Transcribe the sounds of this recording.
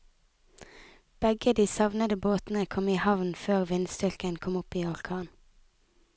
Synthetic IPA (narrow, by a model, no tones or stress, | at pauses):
b̥ɛɡəd̪iːsɑʋnəd̪əboːt̪n̩əkʰɔmiːhɑʋnføːʁʋɪnst̪ʏlkənkʰɔmʊpiːɑlkʰɑːn